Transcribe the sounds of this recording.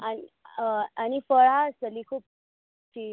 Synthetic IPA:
ani | anifəɭasəlikʰuːp̚ | tʈ̪i

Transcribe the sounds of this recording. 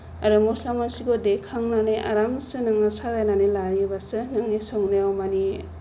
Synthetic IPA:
aɾɯmɔslamasiɡodekʰaŋnaneʔa̰ɾamsɯnaŋasadajnanelaɾjibasɯnaŋnisɔŋnɯjawmani

